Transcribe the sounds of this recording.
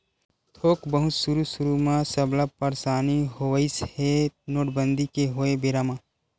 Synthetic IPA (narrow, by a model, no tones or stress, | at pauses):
t̪ʰoːkbəɦʊt̪suɾusʊɾumãsəblapəɾsaːniɦoəɪshenoːʈbənd̪ʱikeɦoːebeɾamãː